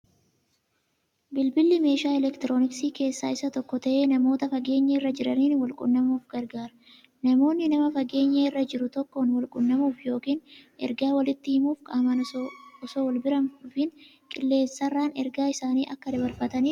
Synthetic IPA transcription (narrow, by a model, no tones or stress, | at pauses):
bɪlbɪlːɪme̞ːʃaːɛlɛkt̪ɪɾo̞ːnɪksiːke̞ːsːaːɪsɐt̪ɔkːɔt̪ɐʔeːnɐmo̞ːt̪ɐfɐɡe̞ːɲːerːɐd͡ʒɪɾɐniːnwɐlkʼʊ̰nːɐmuːfɡɐɾɡaːɾɐ̥ | nɐmo̞ːnːɪnɐmɐfɐɡe̞ːɲːerːɐd͡ʒɪɾʊt̪ɔkːonwɐlkʼʊnːɐmuːfjo̞ːkiːnʔɛ̰ɾɡaːwɐlɪt̪ːɪhɪmuːfkʼaːmɐnɔsoːwɐlbɪɾɐmːfɪn | kʼɪlːe̞ːsːɐrːaːnɛɾɡaːɪsaːniːʔɐkːɐd̪ɐbɐɾfɐt̪ɐniː